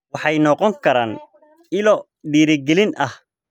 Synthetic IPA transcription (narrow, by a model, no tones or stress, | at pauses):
wɑħɑjnɔqɔŋkʰɐɾaːn | ɪlɔ | ɖiːɾɪɡɛlɪnʔɐh